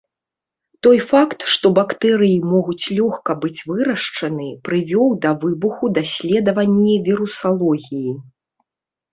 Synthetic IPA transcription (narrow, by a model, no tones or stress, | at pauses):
t̪ɔjfakt̪ʂt̪ɔbakt̪ɛɾɨjimɔɣut͡sʲlʲɔxkɐbɨt͡sʲvɨɾɐʂt͡ʂɐnɨpɾɨvʲɔwd̪ɐvɨbuxud̪asʲlʲɛd̪ɐvɐnʲːivʲiɾusalˠɔɣʲiji